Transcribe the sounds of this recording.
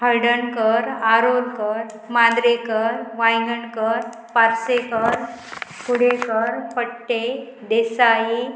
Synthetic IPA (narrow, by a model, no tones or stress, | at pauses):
ɦəɾɖəɳkəɾaɾoɾkəɾ | mad̪ɾekəɾʋajɡəɳkəɾ | paɾsekəɾ | puɽekəɾpəʈːe | d̪esaji